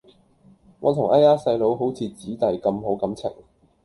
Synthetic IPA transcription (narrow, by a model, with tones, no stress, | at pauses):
ŋɔː˨˧t̪ʰʊ˨˩ŋʔaː˥jaː˥sɐ˧jlo˨˧wɦo˨˥wt͡sʰiː˧t͡siː˨˥t̪ɐ˨jkɐ˧mɦo˨˥wkɐ˨˥mt͡sʰɪ̰˨˩ŋ